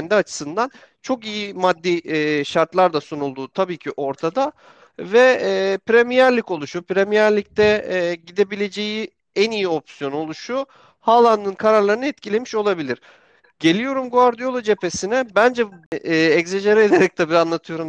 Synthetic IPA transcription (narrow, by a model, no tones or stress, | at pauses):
nd̪iat͡ʃʰɯ̥sɯnd̪an | t͡ʃʰo̞kijimad̪ːiʃaɾt̪lˠaɾd̪asunulˠd̪uːt̪ʰabiːcʰiʔo̞ɾt̪ʰad̪a | vɛpɾemijæɾlʲico̞lˠuʃupɾemijæɾlʲic̚t̪ʰɛɟid̪e̞bilʲe̞d͡ʒe̞ji | ænijio̞psijo̞no̞lˠuʃu | halˠand̪ɯnkʰaɾaɾlˠaɾɯnɛt̪cʰilʲemiʃo̞lˠabilʲiɾ̥ | ɟe̞lʲijo̞ɾumɡuaɾd̪ijo̞lˠad͡ʒe̞pʰe̞sinɛbænd͡ʒɛɛczeʒaɾɛed̪eɾɛc̚t̪ʰɛbiɾanlˠat̪ʰɯjo̞ɾum